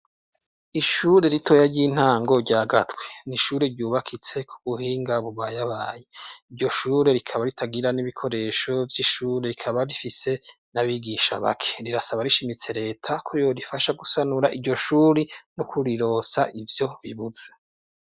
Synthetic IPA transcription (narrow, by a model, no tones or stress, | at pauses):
iʃuɾe̞ɾitʰo̞ːjaɾɟiːn̥haːŋɡo̞ɾɟaːɡatweniʃuːɾeɾɟuːβakʰit͡se̞kʰu̥βuhiːŋɡaβuβajaβaːjeiɾɟo̞ʃuːɾe̞ɾikʰaβaɾitʰaɡiɾaniβikʰo̞ɾe̞ʃo̞vjiːʃuːɾeɾikʰaβaɾifise̞ | naβiɡiʃa̰βa̰kʰe̥ɾiɾasaβaɾiʃimit͡se̞ɾe̞ːtʰakʰoɾijoɾifaʃaɡusanuɾaʔiɟo̞ʃuːɾinokuɾiɾo̞saʔivjo̞βiβuze